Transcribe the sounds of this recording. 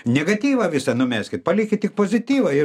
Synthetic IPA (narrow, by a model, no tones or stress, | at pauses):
nʲɛɡɐt̪ʲiːʋɐʋʲɪsɐnʊmʲæsʲkʲɪt̪pɐlʲiːkʲɪttʲɪk̚poːzʲɪt̪ʲiːʋɐɪ